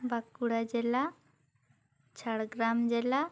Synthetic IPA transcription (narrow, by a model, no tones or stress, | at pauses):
bakuɽad͡ʑɛla | t͡ʃʰaɽɡɾamd͡ʑɛla